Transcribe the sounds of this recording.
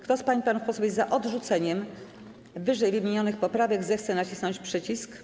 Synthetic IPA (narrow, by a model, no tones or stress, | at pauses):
kt̪ɔspaɲipanufpɔsuɔbɛzaʔɔd̪ʐut̪sɛɲɛm | vɘʐɛjvɘmʲeɲɔnɘxpɔpɾavɛɡzɛxt̪sɛnat͡ɕisnɔɲt͡ɕpʂɛt͡ɕisk